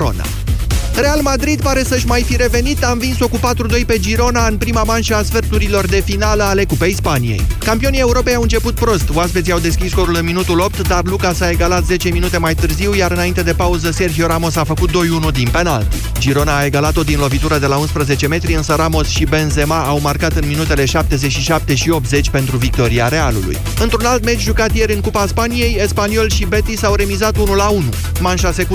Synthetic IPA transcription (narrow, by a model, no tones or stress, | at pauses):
o̰na̰ | ɾe̞almad̪ɾid̪paɾe̞səʃʲmajfiɾe̞ve̞nit̪amvinso̞kupat̪ɾud̪o̞jpe̞d͡ʒiɾo̞naɨnpɾimamanʃəaːsfert̪uɾilo̞rd̪e̞finaləale̞kupejispanijḛjkampio̞nije̞uɾo̞pe̞jawɨnt͡ʃe̞put̪̚pɾo̞st̪woaspeziawd̪e̞skʲisko̞ɾulɨnminut̪ulo̞p̚t̪d̪arlukasae̞ɡalat̪ze̞t͡ʃe̞minut̪e̞majt̪ɨrziwjaɾɨnaint̪e̞d̪e̞pauzəse̞rɦioɾamo̞safəkut̪̚d̪o̞junud̪inpe̞na̰lt̪i̥ | d͡ʒiɾo̞naːe̞ɡalat̪od̪inlo̞vit̪uɾəd̪e̞launspɾəze̞t͡ʃe̞me̞t̪ɾiɨnsəɾamo̞sʃibe̞nze̞maʔːwmarkat̪ɨnminut̪e̞le̞ʃap̚t̪e̞zet͡ʃʃiʃap̚t̪e̞ʃio̞p̚t̪ze̞t͡ʃʲpe̞nt̪ɾuvik̚t̪o̞ɾiaɾe̞alṵlṵj | ɨnt̪ɾunalt̪me̞t͡ʃʒukat̪je̞ɾɨnŋkupaspanije̞jespanio̞lʃibe̞t̪isawɾe̞mizat̪unulaunu | manʃase̞k